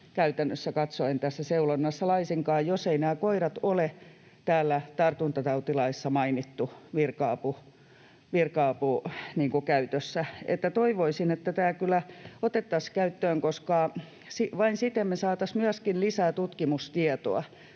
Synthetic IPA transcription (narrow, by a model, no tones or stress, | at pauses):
kæyt̪ænːøsːækɑt̪soent̪æsːæseulonːɑsːɑlɑisiŋkɑːjjoseinæːkoiɾɑt̪ole | t̪æːlːæt̪ɑrt̪unt̪ɑt̪ɑut̪ilɑisːɑmɑinit̪ːuʋirkɑːpu | ʋirkɑːpuniːŋkukæyt̪øsːæḛt̪ːæt̪oiʋoisinet̪ːæt̪æːlkylːˑæot̪et̪ːɑskæyt̪ːøːŋkoskɑ | siʋɑinsit̪emːmesɑːt̪ɑsmyæskinlisæːt̪ut̪kimust̪iɛt̪o̰ɑ